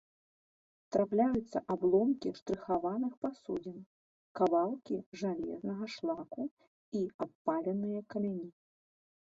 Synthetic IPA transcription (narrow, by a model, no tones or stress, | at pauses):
t̪ɾaplʲajut̪sːɐʔablˠɔmkʲiʂt̪ɾɨxavanɨxpasṵd͡zʲin | kavalˠkʲiʐalʲɛ̰znɐɣɐʂlˠaku | iapːalʲɛnɨjɐkɐmʲanʲi